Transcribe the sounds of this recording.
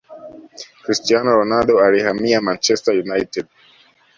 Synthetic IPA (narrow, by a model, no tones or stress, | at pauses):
kɾistianɔɾɔnaɗɔalihamiamant͡ʃɛstajunajtɛd̚